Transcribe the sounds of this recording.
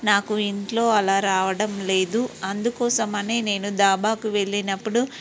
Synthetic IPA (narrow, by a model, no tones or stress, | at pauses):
naːkuiɳʈlo̞ːɐlaːɾaːʋɐɽɐmle̞ːd̪uɐnd̪ukɔːsɐmɐne̞ːne̞ːnud̪aːbaːkuʋe̞ɭːinɐpːuɽu